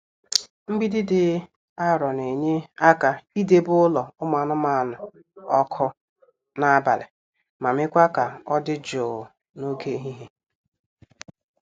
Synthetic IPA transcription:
ŋ͡m̩˦ɡ͡bi˦dɪ˦dɪ˨ | a˦ɾɔ˨ne˨ɲe˦a˦ka˨i˦de˦bʊ˦ʊ˦lɔ˨ʊ˦m˦a˨nʊ˦ma˨a˨nʊ˨ | ɔ˦kʰʊ˦ | na˦a˦ba̰˨lɪ̰˨ | ma˨mɪ˦kʷa˦ka˨ɔ˦dɪ˦d͡ʒo˨ | no˦ɡe˦ɦi˦ɦe˦

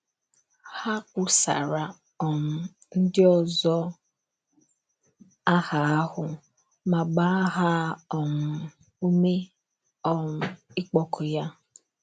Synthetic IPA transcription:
ha˦kʷʊ˦sa̰˨ɾa˨ | ɔ˨m̩˨ | n̩˦dɪ˦ɔ˨zɔ˦ | a˦ha˨a˦hʊ˨ | ma˨ɡ͡ba˦ɦa˦ɔ˨m̩˨ | u˦me˦ | ɔ˦m̩˨ɪ˦k͡pɔ˦kʰʊ˨ja˦

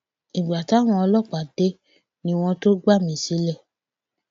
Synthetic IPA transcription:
i˨ɡ͡ba˨ta˨˦w̃ɔ̃˧ɔ˧lɔ˦˨k͡pa˨d̥e˨˦ | nĩ˧w̃ɔ̃˧to˦ɡ͡ba˦˨mĩ˨˦˨si˨˦lɛ˦˨

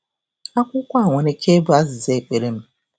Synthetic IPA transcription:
a˦kʷʊ˦kʷa˦a˨ŋʷe˨ne˦kʰe˦bu˦a˦zɪ˨ze˦˨e˨k͡pe˨ɾe˦m̩˦

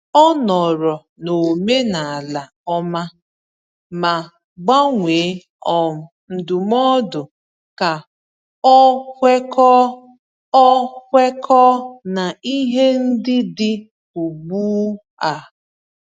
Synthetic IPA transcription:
ɔ˦nɔ˨ɾɔ˨ | no˨me˦na˨a˨la˨ | ɔ˦ma˦ | ma˨ | ɡ͡ba˦ŋʷeː˨˦ | ɔ˨n̩˨dʊ˨m˦ɔ˦dʊ˨ | ka˨ | ɔ˦kʷe˦kɔ˦ | ɔ˦kʷe˦kɔː˦na˨i˦ɦe˦n̩˦dɪ˦dɪ˦ | u˨ɡ͡buː˦ | a˨

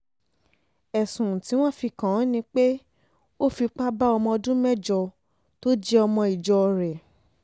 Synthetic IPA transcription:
ɛ˨sũ˨ti˨˦w̃ɔ̃˦˨fi˧kã˨˦nĩ˧k͡pe˦ | o˦˨fi˧k͡pa˦ba˦ɔ˧mɔ̃˧ɔ˧dũ˦mɛ˦d͡ʒɔ˧ | to˦d͡ʒɛ˦ɔ˧mɔ̃˧i˨d͡ʒɔ˧ɾɛ˨

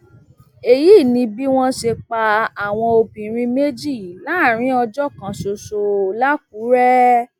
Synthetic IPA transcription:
e˨jiː˦˨nĩ˧bi˦w̃ɔ̃˦ʃe˧k͡pa˧a˨w̃ɔ̃˧o˧bĩ˨ɾ̃ĩ˧me˦d͡ʒi˦˨la˦˨ɾ̃ĩ˦ɔ˧d͡ʒɔ˦˨kã˨so˨so˨˧la˦k̚u˨˦ɾɛ˦

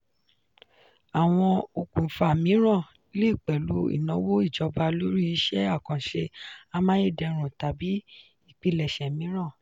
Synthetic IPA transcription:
a˨w̃ɔ̃˧o˧kũ˨fa˨mĩ˨˦ɾ̃ã˦˨ | le˦˨k͡pɛ˨lu˨˦ḭ˦˨nɔ̃˨˦wo˦i˦˨d͡ʒɔ˨˧ba˧lo˦ɾi˦i˧˦ʃɛ˦a˦˨kɔ̃˨ʃe˧a˧mã˦je˦˨dɛ˧ɾ̃ũ˨ta˨bi˨˦ | i˦˨k͡pi˧lɛ˨ʃɛ˨mĩ˨˦ɾ̃ã˦˨

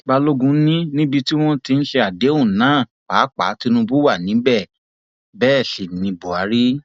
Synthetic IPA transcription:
ba˧lo˦ɡũ˧˦nĩ˦nĩ˦bi˧ti˦w̃ɔ̃˦ti˧n̩˦ʃe˧a˨de˨˦ũ˦˨nãː˨˦˨ | k͡pa˨˦k͡pa̰˨˦ti˦nũ˧bu˦wa˦˨nĩ˨˦bɛ˦˨ | bɛː˦˨ʃe˨nĩ˧bo˨a˨˦ɾi˦

